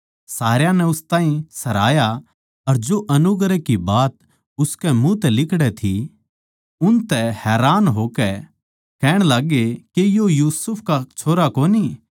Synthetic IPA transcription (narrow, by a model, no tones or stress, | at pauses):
saːɾjanɛʊst̪ãːɦĩsɐɾaːja | ɐɾd͡ʒoʔɐnʊɡɾɛkibaːt̪ | ʊskɛmũt̪ɛlɪkɽɛt̪ʰi | ʊnt̪ɛhɛːɾaːnɦoːkɛ | kɛːɽ̃laɡekejojuːsʊpʰkat͡ʃʰoːɾakoːni